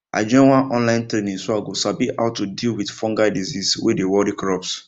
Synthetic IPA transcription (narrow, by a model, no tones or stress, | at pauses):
ʔa̰d͡ʒɔ̃ɪ̃nwãnʔɔ̃nlãɪ̃ntɾenĩŋsoaɡosabiʔa̰ʊtudilwidfɔ̃ŋɡadizizwḛdewɔɾikɾɔps